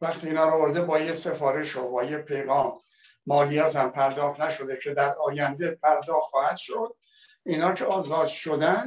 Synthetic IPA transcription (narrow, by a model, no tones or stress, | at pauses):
væχt̪ʰiːnɒːɾɒvoɾd̪ebɒːjese̞fɒːɾeʃobɒːjepʰe̞jɣɒːmː | ɒːlijɒːt̪hæmpʰæɾd̪ɒːxt̪næʃo̞d̪e̞cʰe̞d̪æɾɒːjænd̪epʰæɾd̪ɒːxt̪χɒːhæd̪̥ʃo̞d̪̥̚ | iːnɒːcʰeɒːzɒːd̪ʃo̞d̪æn